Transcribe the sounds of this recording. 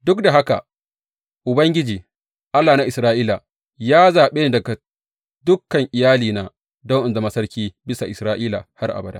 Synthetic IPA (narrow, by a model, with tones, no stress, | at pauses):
dʊ˦kda˨ɦa˦ka̰˨ | ʔʊ˨bɐ˦ŋɡʲɪ˦d͡ʒiː˨ | ʔa˦lːaː˨na˦ʔɪ˨sɾaː˦ʔiː˦la̰˨ | jaː˦zaː˨ɓeː˦n˦dɐ˨ɡa˨ | dʊ˦kːɐ˨ŋʔɪ˨jaː˦liː˨naː˨ | dɔ˦ŋʔɪ˨nda˨mɐ˦sɐ˦rkʲiː˦bɪ˦sa˨ʔɪ˨sɾaː˦ʔiː˦la̰˨ha˦rʔa̰˨ba˨da̰ː˦